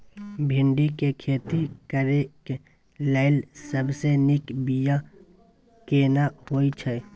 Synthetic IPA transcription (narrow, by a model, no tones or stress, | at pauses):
bʱɪ̃ɳɖikekʰeːt̪ikəɾeke | ləːɪlsəbsenɪkbija | keːnahoːit͡ʃʰɛ